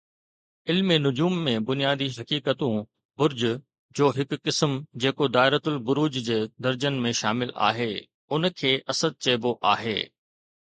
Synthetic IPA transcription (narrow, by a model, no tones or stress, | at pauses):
ɪlmenʊd͡ʑuːmːẽbʊnijaːd̪iɦɐkiːkət̪ũ | bʊɾd͡ʑʊ | d͡ʑoːɦɪkːɪsmd͡ʑeːkod̪aːɪɾət̪ʊlbʊɾuːd͡ʑd͡ʑeːd̪ɐɾd͡ʑənmẽʃaːmɪla̰ːɦeː | ʊnkʰeːʔɐsəd̪̚t͡ɕeːboʔaːɦḛː